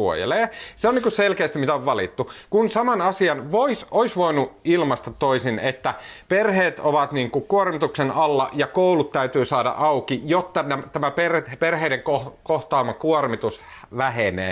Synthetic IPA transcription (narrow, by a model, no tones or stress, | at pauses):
uo̰jḛleːseonːiːŋkusselkeːst̪imit̪æoʋʋɑlḭt̪ːukunsɑmɑnɑsiɑnʋoisoisʋoinuilmɑst̪ɑt̪ːoisinet̪ːæperheːt̪oʋɑt̪niːŋkukuormit̪uksenɑlːɑ̰jɑkoulut̪tæyt̪yːsɑːdɑ̰ʔɑukijot̪ːɑnæmt̪æmæperperɦeideŋkokoht̪ɑːmːˑɑkuormit̪usʋæɦenḛː